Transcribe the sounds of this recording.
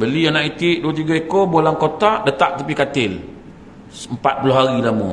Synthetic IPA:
bəlianaʔit̪ɪʔduat̪̬iɡaikobolaŋkot̪aʔdət̪aʔt̪apikat̪ɪl | əmpat̪̚pulʊɦaɾilamṵ

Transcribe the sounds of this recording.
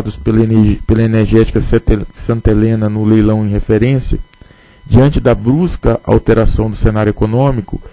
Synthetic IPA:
d̪ʊspelpelɐeneɾʒɛt͡ʃi̥kɐssɐ̃nt̪elẽnɐnʊlejlɐ̃w̃ẽj̃ɦefeɾẽsiɐ | d͡ʒiɐ̃nt͡ʃɪd̪ɐbɾuskɐʔa̰wt̪eɾasɐ̃w̃d̪ʊsenaɾjʊekonõmikʊ

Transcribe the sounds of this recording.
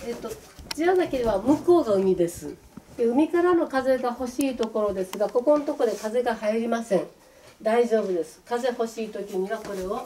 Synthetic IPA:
et̪ːot͡ɕiazakʲed̪eβamɯ̟ko̞ːɡaɯ̟mʲid̪e̞sɨ̰̥ | eɯ̟mʲikaɾano̞kaze̞ɡaho̞ɕiːt̪o̞ko̞ɾo̞d̪e̞sɨɡako̞konot̪o̞ko̞d̪e̞kaze̞ɡahaiɾʲimasẽ̞ŋ | d̪aiʑo̞ːbɯ̟d̪e̞sɨ̥kaze̞ho̞ɕiːt̪o̞kʲiɲ̟iβako̞ɾe̞o̞

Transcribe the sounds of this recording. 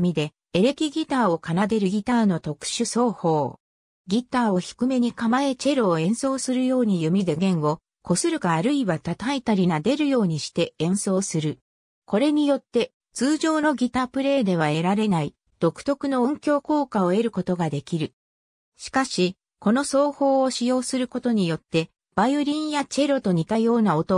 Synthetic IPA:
mʲid̪e̞ː | ɾe̞kʲiɡʲit̪aːo̞kanad̪e̞ɾɯ̟ɡʲit̪aːno̞t̪o̞kɯ̥ɕɨso̞ːho̞ː | ɡʲit̪aːo̞çi̥kɯ̟me̞ɲ̟ikamae̞t͡ɕe̞ɾoːẽ̞ɰ̃so̞ːsɨɾɯ̟jo̞ːɲ̟ijɯ̟mʲid̪e̞ɡẽ̞ɰ̃o̞ | ko̞sɨɾɯ̟kaːɾɯ̟iβat̪at̪ait̪aɾʲinad̪e̞ɾɯ̟jo̞ːɲ̟iɕi̥t̪e̞ẽ̞ɰ̃so̞ːsɨɾɯ̟ | ko̞ɾe̞ɲ̟ijo̞t̪ːe̞ | t͡sɨːʑo̞ːno̞ɡʲit̪aːpɯ̟ɾe̞ːd̪e̞β̞ae̞ɾaɾe̞nai | d̪̥o̞kɯ̟̥t̪o̞kɯ̟no̞õŋkʲo̞ːko̞ːkao̞e̞ɾɯ̟ko̞t̪o̞ɡad̪e̞kʲiɾɯ̟ | ɕi̥kaɕi | ko̞no̞so̞ːho̞ːɕijo̞ːsɨɾɯ̟ko̞t̪o̞ɲ̟ijo̞t̪ːe̞ | b̥ajɯɾʲĩɰ̃jat͡ɕe̞ɾo̞t̪o̞ɲ̟it̪ajo̞ːnao̞t̪o̞

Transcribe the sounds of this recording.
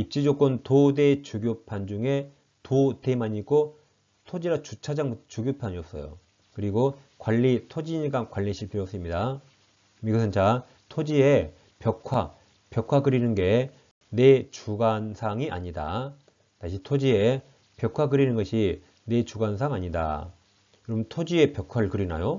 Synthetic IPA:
ip̚t͡ɕ͈id͡ʑok͈ʰontode̞t͡ɕuɡjopʰand͡ʑuŋe̞ | tote̞maɲik͈o | tʰod͡ʑiɾat͡ɕut͡ɕʰad͡ʑaŋbutʰt͡ɕuɡjopʰaɲiʌp̚s͈ʌ̰jo̰ | kɯɾiɡo | kwaʎːitʰod͡ʑiɲiɡankwaʎːiɕʰiɭpʰiɾʌp̚s͈ɯmɲida | miɡusʰɯnt͡ɕa | tʰod͡ʑie̞ | pjʌkʰwa | pjʌkʰwakɯɾinɯnɡe̞ | ne̞t͡ɕuɡansʰaŋiʔa̰ɲida̰ | taɕʰitʰod͡ʑie̞ | pjʌkʰwakɯɾinɯnɡʌɕʰi | ne̞t͡ɕuɡansʰaŋaɲida̰ | jʌɾʌmntʰod͡ʑie̞pjʌkʰwaɯɭkɯɾina̰jo

